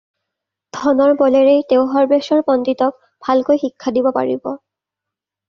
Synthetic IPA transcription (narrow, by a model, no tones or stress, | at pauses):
d̥ʱɔnɔɹbɔleɹejtewɦɔɹbeʃɔɹpɔnditɔk̚ | bʱalkojxikʰːadibɔpa̰ɹibɔ